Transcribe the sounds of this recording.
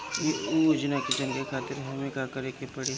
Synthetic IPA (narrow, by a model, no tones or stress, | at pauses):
jeud͡ʒnakid͡ʒɐ̃ŋɡekʰaːt̪ɪɾɦɐmekakɐɾekepɐɽi